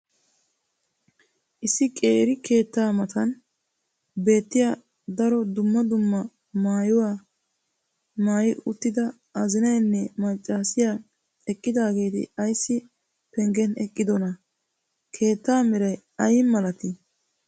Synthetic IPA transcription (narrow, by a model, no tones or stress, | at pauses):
ʔɪsːɪkʼḛːɾɪkʰe̞ːt̪ːaːmɐt̪ɐn | be̞ːt̪ːɪja | d̪ɐɾɔd̪ʊmːɐd̪ʊmːɐ | maːjɔwaː | maːjɪʔʊt̪ːɪd̪ɐ | ɐzɪnɐjnːɛmɐt͡ʃʼːaːsɪjaː | ɛkʼːɪd̪aːɡe̞ːt̪ɪ̰ɐjsːɪ | pɛŋɡɛnɛkʼːɪd̪ɔnɐ | kʰe̞ːt̪ːaːmɪɾɐj | ɐjɪmmɐlɐt̪ɪ